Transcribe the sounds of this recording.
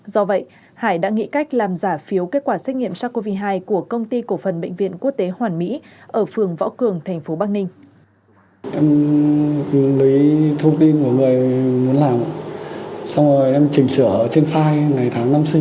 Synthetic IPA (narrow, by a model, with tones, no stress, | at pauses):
zɔ˧və̰˧˨jʔ | haː˧˩jɗa̰ː˧˥ŋḭ˧˥ka˦˥jk̟̚laː˨˩mzaː˧˩fi˨˦əwke˦˥t̚kwaː˧˩sɛ˦˥t̚ŋḭ˧˨əmsaː˧ko˧vi˧ɦaː˧jku˧˩əkə˧wŋ͡mt̪i˧ko˧˩fə˨˩nɓə̰˧˨ŋ̟vḭ˧˨ənku˦˥ək̚t̪e˨˦hwaː˨˩nmḭ˧˥ | ʔəː˧˩fɨ˨˩əŋvɔ̰˧˥wkɨ˨˩əŋt̪ʰjŋ̟fo˨˦ɓaː˧k̚nï˧ŋ̟ | ʔɛ˧m˨˦ | nli˨˦t̪ʰə˧wŋ͡mt̪i˧nku˧˩əŋɨ˨˩əjmu˨˦ənlaː˨˩mʔsa˧wŋ͡mzo˨˩jʔɛ˧mt͡ɕï˨˩ŋ̟sɨ˧˩˧t͡ɕe˧nfaː˧jŋa˨˩jt̪ʰaː˨˦ŋna˧msï˧